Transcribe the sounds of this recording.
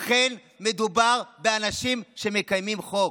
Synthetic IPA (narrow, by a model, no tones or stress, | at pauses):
χen | me̞d̪ubaʁbeanaʃimʃe̞me̞kajmimχo